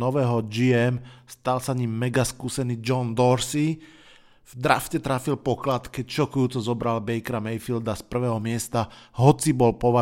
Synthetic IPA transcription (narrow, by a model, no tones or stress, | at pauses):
ɔʋɛːɦɔd͡ʒiɛmst̪alsaɲimːɛɡaskuːsɛniːd͡ʒɔnd̪ɔɾsi | vd̪ɾafcɛt̪ɾafilpɔklat̪kɛcʃɔkujuːt͡sɔzɔbɾalbɛjkɾamɛjfild̪aspr̩ʋɛːɦɔmɪɛst̪aɦɔt͡sibɔlpɔʋa